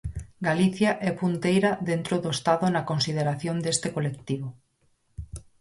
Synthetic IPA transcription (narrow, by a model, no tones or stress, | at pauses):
ɡaliθjaʔɛpunt̪ejɾaðent̪ɾoðoest̪aðonakonsið̞eɾaθjond̪est̪ekolek̚t̪iβo